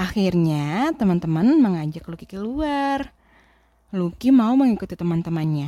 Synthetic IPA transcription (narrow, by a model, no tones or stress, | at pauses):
ʔaxirɲat̪əmant̪əmanməŋad͡ʒaklukikəluar | lukimauməŋikut̪it̪əmant̪əmanɲa